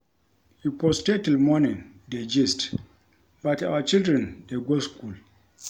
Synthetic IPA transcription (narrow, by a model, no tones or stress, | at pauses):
hipɔstetilmɔnĩnded͡ʒist | bata̰wat͡ʃildɾɛ̃ndeɡoskʰul